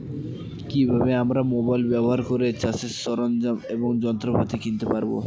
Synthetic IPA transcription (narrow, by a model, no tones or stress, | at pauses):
kibʱabeamɾamobajlbɛboɦaɾkoɾet͡ɕasisːɔɾond͡ʑameboŋd͡ʑɔnt̪ɾobʱat̪ikint̪epaɾbo̰